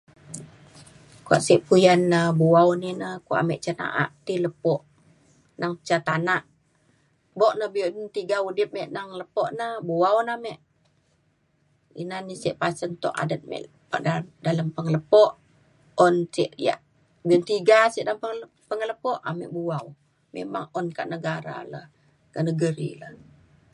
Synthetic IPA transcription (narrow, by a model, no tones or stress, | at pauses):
kua̰ʔsiʔpujanːəbuawninəkoʔa̰mɛʔt͡ʃana̰ʔa̰ʔt̪iləpɔʔ | naŋt͡ʃat̪anaʔ | bɔʔnəhbiunnt̪iɡaudɪp̚mɛʔnaŋləpɔʔnəbuawnamɛʔ | ḭnanisɛʔpasənt̪ɔ̰ʔa̰dət̪̚mɛ̰ʔ | pa̰ʔdadaləmpəŋələpɔʔ | ɔnsiʔja̰ʔ | biɔnt̪iɡasiʔdaəmp | pəŋələpɔʔamɛ̰ʔbuaw | mḛma̰ŋɔnka̰ʔnəɡaɾa̰lə̰h | kənəɡəɾḭləh